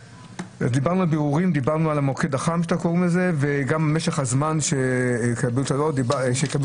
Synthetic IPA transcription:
azd̪ibaʁnualbiʁuʁimd̪ibaʁnualamokedaχamʃat̪akoʁimeze̞veɡamameʃeχhazmanʃekabilt̪alodibʃeka

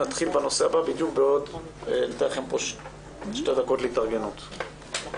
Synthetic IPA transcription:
at̪χilbeno̞se̞ababid̪jukbeod | enat̪eaχempo̞ʃ | ʃtedako̞tleitaʁɡe̞nut̪

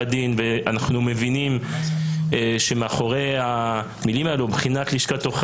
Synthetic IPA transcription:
adinveanaχnume̞vinim | eʃemeaχoʁejha | milimaelubχinat̪liʃkat̪oχ

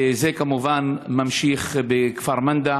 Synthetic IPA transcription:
zekamuvanmamʃiχbekfaɾmand̪a

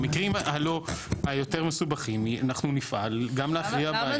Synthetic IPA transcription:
mikʁimhalo̞ajo̞teʁmesubaχimia̰naχnunifʔalɡamleafʁiab

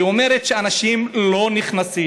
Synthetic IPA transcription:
ome̞ʁet̪ʃeanaʃimlo̞niχnasi

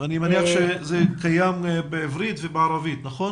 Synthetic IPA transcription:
animaniaχʃezeːkajambɪɛvɾitvɪbaɾavit̪naχɔn

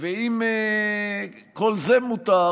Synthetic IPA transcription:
veim | kolzemut̪a

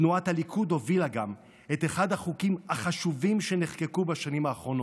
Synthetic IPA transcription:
nuathalikʰud̪o̞vilaɡam | e̞t̪e̞χad̪haχukimaχaʃuvimʃe̞neχke̞kubaʃanimhaːχʁo̞no

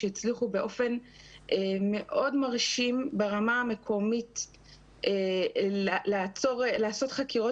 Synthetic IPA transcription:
eit͡sliχubeʔofe̞n | ʔeme̞ʔo̞dmaʁʃimbeʁamame̞kʰo̞mit | ʔe | lat͡soʁlaːso̞t̪χakiʁo̞

